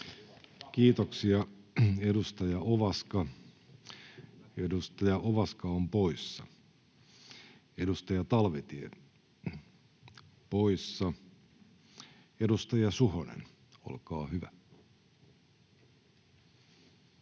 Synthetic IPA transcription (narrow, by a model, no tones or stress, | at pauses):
kiːt̪oksiɑedust̪ɑjɑʔoʋɑskɑ | edust̪ɑjɑʔoʋɑskɑompoisːɑ̰ | edust̪ɑjɑt̪ɑlʋet̪iḛ | poisːɑ | edust̪ɑjɑsuhonḛn | o̰lkɑːhyʋæ